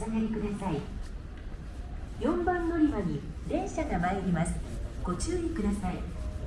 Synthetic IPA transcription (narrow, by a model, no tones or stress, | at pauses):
anaɾʲikɯ̟d̪asai | jõ̞mbãnːo̞ɾʲimaɲ̟iɾẽ̞ɰ̃ɕaɡamaiɾʲimasɨ̥ɡ̥o̞t͡ɕɨːikɯd̪asai